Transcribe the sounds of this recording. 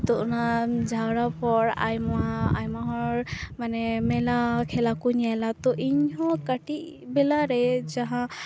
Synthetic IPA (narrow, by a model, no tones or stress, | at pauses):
t̪ɔʔnazawɹapɔɹa̰jmajmaɦɔɹmanɛmɛlakʰɛlakunijalat̪ɔʔiɲhɔkaʈiʔ | bɛlaɾɛzaɦã